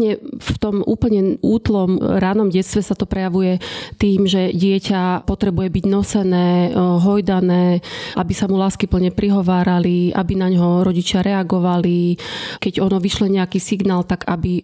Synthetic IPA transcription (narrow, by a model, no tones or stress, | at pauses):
ɲɛft̪ɔmʔuːpl̩ɲɛʔuːt̪lɔmɾaːnɔmɟɛt̪t͡st̪ʋɛsat̪ɔpɾɛjaʋujɛt̪iːmʒɛɟɪɛcapɔt̪ɾɛbujɛbiɟnɔsɛnɛːɦɔjd̪anɛːʔabisamulaːskipl̩ɲɛpɾiɦɔʋaːɾaliʔa̰binaɲɦɔɾɔɟit͡ʃɪaɾɛaɡɔʋalikɛɟɔnɔʋiʃlɔɲɛakiːsiɡnaːlt̪aɡabi